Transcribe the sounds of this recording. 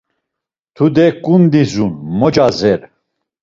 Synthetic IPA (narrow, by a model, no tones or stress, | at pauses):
t̪ʰud̪ɛkʼund̪izunmɔd͡ʒazɛɾ